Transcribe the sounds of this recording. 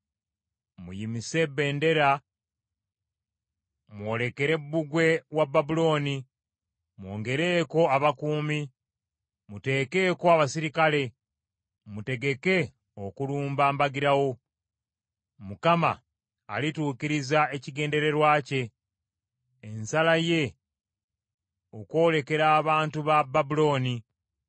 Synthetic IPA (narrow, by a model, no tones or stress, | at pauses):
mṵjimise̞bːe̞ːnde̞ɾa | mwo̞ːle̞ke̞ɾe̞bːuɡwe̞wababulo̞ːni | mwo̞̰ːŋɡe̞ɾe̞ːko̞aβakuːmi | mute̞ːke̞ːkoaβasiɾikale̞ | mute̞ɡe̞ke̞ | okuluːmbaːmbaɡiɾawo̞ | mukama̰ː | lituːciɾizae̞ciɡe̞ːnde̞ɾe̞ɾwaːce̞ | nsalaje̞ | oko̞ːle̞ke̞ɾaːβaːntuβababulo̞ːni